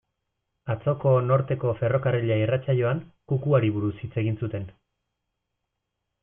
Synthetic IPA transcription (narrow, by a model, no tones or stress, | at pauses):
at͡so̞ko̞no̞ɾt̪e̞ko̞fe̞ro̞kareʎairat͡saʎo̞aŋkukuaɾiβuɾusit͡se̞ɣ̞insut̪e̞n